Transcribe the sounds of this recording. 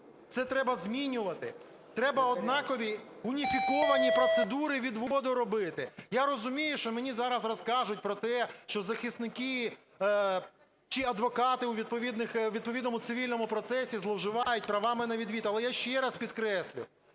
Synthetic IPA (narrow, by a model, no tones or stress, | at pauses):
t̪sɛt̪ɾɛbɐzʲmʲinʲʊʋɐt̪ɪ | t̪ɾɛbɐɔd̪nɑkɔʋʲi | ʊnʲifʲikɔʋɐnʲipɾɔt̪sed̪uɾɪʋʲid̪ʋɔɔd̪ɔɾɔbɪt̪ɪjaɾɔzʊmʲijʊʃt͡ʃɔmenʲizɑɾɐzrɔskɑʒʊt̚ʲpɾɔt̪ɛʃt͡ʃɔzɐxɪst̪nɪkɪ | t͡ʃiɐd̪ʋɔkɑt̪ɪʊʋʲid̪̚pɔʋʲid̪nɪxʋʲid̪̚pɔʋʲid̪nɔmʊt̪sɪʋʲilʲnɔmʊpɾɔt̪sɛsʲizlˠɔwʒɪʋɑjʊt̚ʲpɾɐʋɑmɪnɐʋʲid̪ʋʲit̪ɐlˠɛjaʃt͡ʃɛɾɐspʲid̪kɾɛsʲlʲʊ̰